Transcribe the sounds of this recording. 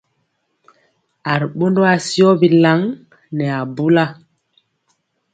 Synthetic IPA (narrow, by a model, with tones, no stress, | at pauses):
a˨ɾɓo˦ndo˦a˨si˦ɔ˦bi˨la˨˦ŋ | nɛ˨a˨bu˦la˦